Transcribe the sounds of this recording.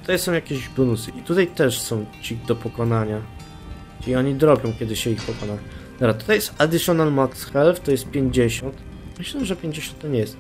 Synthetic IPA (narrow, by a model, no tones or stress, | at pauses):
t̪u̥t̪ajsɔ̃w̃jakʲeʑbɔnusɘʔit̪ut̪ajt̪ɛʂsɔ̃w̃t͡ɕid̪ɔpɔkɔnaɲa | t͡ʂɨiɔɲid̪ɾɔbʲjɔ̃w̃kʲɛd̪ɘɕɛixpɔkɔnat̪ɔbɾat̪u̥t̪ajɛst̪ad̪ɨʂɔnalmaksxɛlft̪ɔjɛst̪̚pʲjeɲd͡ʑeɕɔnt̪ | mɘɕlɛʐɛpʲjẽɲd͡ʑeɕɔ̃nt̪ːɔɲʲɛjɛst̪